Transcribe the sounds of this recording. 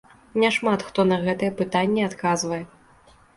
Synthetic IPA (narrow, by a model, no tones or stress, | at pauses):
nʲɛʂmat̪xt̪ɔnɐɣɛt̪ɨjɛpɨt̪anʲːiat̪kazvɐjɛ